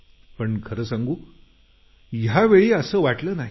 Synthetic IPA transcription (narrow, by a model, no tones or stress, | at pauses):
pəɳkʰəɾəːsaŋɡuː | jaʋeɭiːəsəːʋaʈləːnaɦi